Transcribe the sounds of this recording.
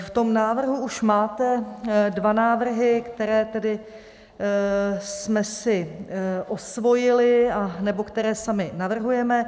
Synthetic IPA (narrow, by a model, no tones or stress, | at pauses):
ft̪o̞mnaːvr̩ɦuuʃmaːt̪ɛdvanaːvr̩ɦɪkt̪ɛɾɛːt̪ɛdɪ | smɛsɪʔo̞svo̞jɪlɪanɛbo̞kt̪ɛɾɛːsamɪnavr̩ɦujɛmɛ